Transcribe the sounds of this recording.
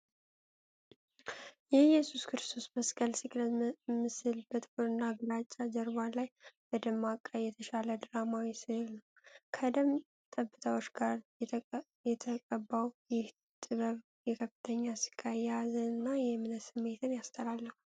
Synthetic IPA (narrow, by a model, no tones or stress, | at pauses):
jɛjɛsuskʰɨɾɨst̪ʰo̞sməskʼəlsɨkʼmɨsɨlbət̪ʼbuɾɨnːaɡɨlat͡ʃʼːad͡ʒəɾβalajb̥əd̪əmːakʼːəjɛt̪ʰəʃaləd̪ɨɾamawisɨhlnəwkʰəd̪əm | t̪ʼəbːɨt̪ʰawot͡ʃːɡaɾ | jɛt̪ʰəkʼəbːawjɪh | t̪ʼɨβəβ | jɛkʰəfːɨ̥t̪ʰəɲːasi̥kʰʼːajazənɨnːajɛmɨnəsɨmːe̞t̪ʰɨnjast̪ʰəlalːəhu